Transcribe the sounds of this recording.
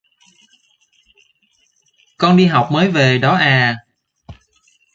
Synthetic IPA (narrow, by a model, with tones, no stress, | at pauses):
kɔ˧nɗi˧ɦa˨˩wk͡p̚məː˨˦jve˨˩ɗɔ˨˦ʔaː˨˩